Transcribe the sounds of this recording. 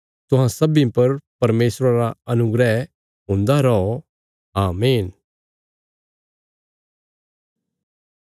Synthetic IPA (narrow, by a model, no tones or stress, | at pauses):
t̪ʊɦãsɐbĩpɐɾpɐɾmeːsɾaɾaɐnʊɡɾɛɦ | ɦʊ̃nd̪aɾɔo | aːmeːn